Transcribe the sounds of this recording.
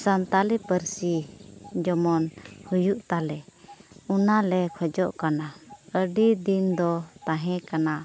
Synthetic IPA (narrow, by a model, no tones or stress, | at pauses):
sant̪alipəɾsid͡ʒɔmɔnhujuʔt̪alɛ | unalɛkʰɔd͡ʒɔʔkanaəɖid̪ind̪ɔt̪ãɦɛ̃kana